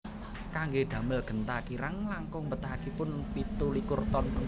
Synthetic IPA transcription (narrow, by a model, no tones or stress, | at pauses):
kaŋɡed̪̥ä̤məlɡ̥ə̤nt̪akiɾaŋlaŋkʊŋmbət̪ahakipʊnpit̪ulikʊrt̪ɔnpən